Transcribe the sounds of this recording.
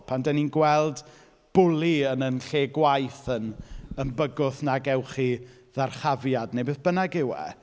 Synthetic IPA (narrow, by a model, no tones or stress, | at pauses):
pʰandɛninɡwɛlˠd | b̥ʊlˠiənənɬeːɡwajθənənbəɡʊθnaɡɛwχi | ðarχavjadnejbeːðb̥ənaɡɪwɛ̰